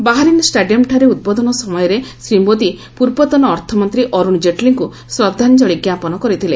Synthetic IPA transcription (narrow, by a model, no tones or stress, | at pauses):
baɦaɾinsʈaɖijɔmʈʰaɾeud̪̚bɔd̪ɔnɔsɔmɔjɔɾesɾimod̪i | puɾbɔt̪ɔnɔːɾt̪ʰɔmɔnt̪ɾiʔɔɾund͡ʒeʈliŋku | sɾɔd̪ʱːand͡ʒɔɭiɡjapɔnɔkɔɾit̪ʰile